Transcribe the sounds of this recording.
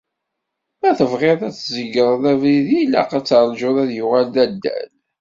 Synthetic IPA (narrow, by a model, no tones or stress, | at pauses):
æθəvʁeɾˤæt͡sːzəɡəɾˤðævɾiðilæ̰qæt͡sːɑɾˤd͡ʒʊðæðjʊʁæld̪æd̪ːæ̰l